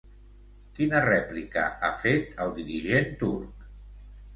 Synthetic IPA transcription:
kinərɛplikə̰ʔafet̪ʰəlˠd̪iɾiʒent̪uɾk

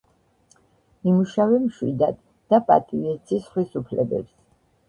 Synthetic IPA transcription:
mimuʃavɛmʃwḭd̪ad̪ | d̪̥apʼa̰t̪ʼivɛt̪sʰisχwisupʰlɛbɛ̰ps

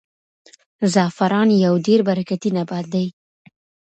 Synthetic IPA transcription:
zɑfaɾɑnjawɖeɾbaɾakat̪inabɑd̪̚d̪aj

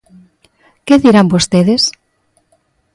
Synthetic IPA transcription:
keðiɾambost̪eðes

